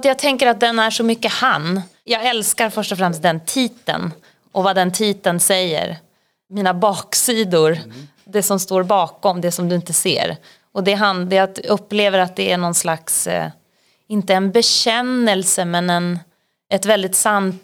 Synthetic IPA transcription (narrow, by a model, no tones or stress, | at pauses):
t̪jɑːɡ̚t̪ʰɛŋkəɾat̪̚d̪ɛnæʂɔmʏkːəhan | jɑːɡɛlskaɾfœʂʈɔfɾɛmst̪̚d̪ɛnt̪ʰiːt̪ə̰n | ʔɔvad̪ɛnt̪ʰiːt̪ənsɛjːə̰ɾ | miːnabɑːksiːd̪ʊɾ | d̪ɛsɔmst̪oːɾbɑːkɔmd̪ɛsɔmd̪ɵɪnt̪əsḛːɾ | ɔd̪ɛɦand̪ɛjaɵpːleːvəɾat̪̚d̪ɛæɳɔnslaks | ɪnt̪əɛnbɛɕɛnːɛlsəmɛnɛn | ɛt̪vɛld̪ɪt̪sant̪